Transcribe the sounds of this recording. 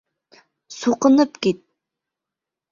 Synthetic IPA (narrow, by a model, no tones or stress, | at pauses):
soqənɨpkʲet̪̚